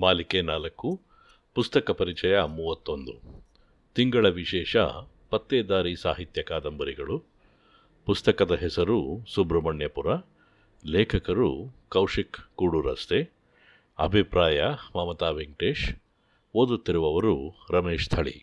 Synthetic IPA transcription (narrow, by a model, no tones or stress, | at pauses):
maːlikeːnaːlɐkːu | pust̪ɐkɐpɐɾit͡ʃɐjɐmuːʋɐt̪ːond̪u | t̪iŋɡɐɭɐʋiʃɛːʂɐ̰ | pɐt̪ːeːd̪aːɾisa̰ːɦit̪jɐkaːd̪ɐmbɐɾiɡɐɭu | pust̪ɐkɐd̪ɐɦɛsɐɾusubɾɐmɐɳjɐpuɾɐ | leːkʰɐkɐɾukɐwʂikːuːɽuɾɐ̰st̪e | ɐ̰bʱipɾaːjɐmaːmɐt̪aːʋeŋʈeːʂ | oːd̪ut̪ːiɾuʋɐʋɐɾuɾɐmeːʂt̪ʰɐɭḭ